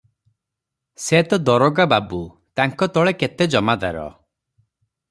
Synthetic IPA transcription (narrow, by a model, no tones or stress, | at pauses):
set̪ɔd̪ɔɾɔɡababu | t̪aŋkɔt̪ɔɭeket̪ed͡ʒɔmad̪a̰ɾɔ̰